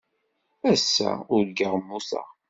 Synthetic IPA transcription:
æsːæ̰ʊɾɡəʁmːuθa̰

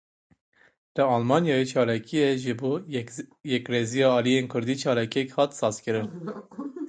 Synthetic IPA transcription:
d̪̥ɨɑlmɑːnjɑːjet͡ʃʰɑːlɑkʰijɛʒɨboːjɛkrezijɑːlijenkʰʊɾd̪iːt͡ʃʰɑːlɑkijɛkhɑt̪sɑːz̥kɨɾɨn

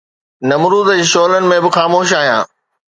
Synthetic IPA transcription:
nɐmɾuːzəd͡ʑʃoːlənɪ̆mẽbɪxaːmoːʃ̬aːɦijã̰ː

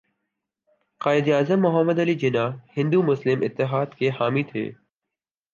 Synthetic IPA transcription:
qaːɪd̪aːzəmːʊɦəmːəd̪əliːd͡ʒɪnaːhɪ̃nd̪umʊslɪmɪt̪ːɪɦaːd̪kʰeːɦaːmit̪ʰḛː

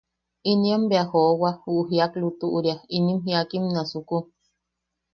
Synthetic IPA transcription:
inĩambeahowahuʔuɦiaklut̪uʔuɾjainĩmɦiakimnãsuku

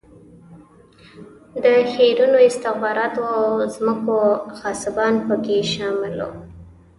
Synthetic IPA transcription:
d̪əxeɾunoɪst̪ɪxbɑɾɑt̪ozməkoxɑsɪbɑnpəkeʃɑmɪlo̰

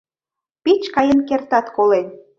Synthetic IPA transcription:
pit͡ɕkɑjənkert̪ɑt̪kolen

